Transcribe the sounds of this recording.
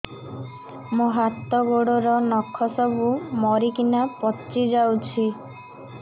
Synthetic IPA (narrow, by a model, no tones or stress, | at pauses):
moɦat̪ːɔɡoɽɔɾɔnɔkʰːɔsɔbumɔɾikinapɔtːt͡ʃid͡ʒawt͡ʃʰi